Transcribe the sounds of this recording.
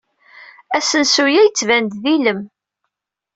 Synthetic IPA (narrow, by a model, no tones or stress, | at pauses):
æsənsujæjət͡sːvænd̪ðiləm